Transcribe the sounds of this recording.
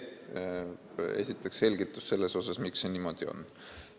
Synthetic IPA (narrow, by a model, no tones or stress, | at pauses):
e̞̰sʲit̪ːˑeksse̞lʲɡ̥it̪ːˑusse̞lːe̞so̞sɑsmiksːeniːmo̞d̪̥io̞̰n